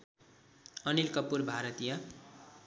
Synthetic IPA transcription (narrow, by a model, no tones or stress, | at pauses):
ʌnilkʌpːurbʱaɾʌt̪ija